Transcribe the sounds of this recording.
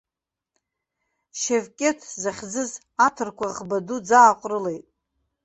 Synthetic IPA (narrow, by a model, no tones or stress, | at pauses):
ʃevkʲʼe̞tʰzaχʲd͡zɨz | atʰɨrkʷaʁbadud͡zaːqʷʼrɨlejtʼ